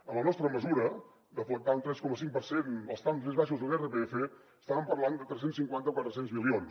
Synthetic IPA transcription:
əmlənɔst̪ɾəməzuɾə | d̪əflək̚t̪aunt̪ɾɛskɔməsiŋk̚pəɾsenəlˠst̪amzmezβaʃuzðəlˠerəpeefe | əst̪aβəmpəɾland̪ət̪ɾɛs̬ensiŋkwant̪əkwat̪ɾəsenzmilˠions

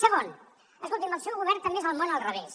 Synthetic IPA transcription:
səɣon | əskolˠt̪iməlsewɣuβɛɾt̪əmezəlˠmonəlˠrəβes

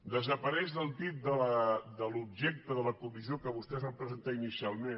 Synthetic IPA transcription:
d̪əzəpəɾɛʒðəlˠt̪ip̚d̪ələd̪əlub̚ʒɛk̚t̪əðələkumiziokəβ̞ust̪ɛzβampɾəzənt̪ainisialˠmen

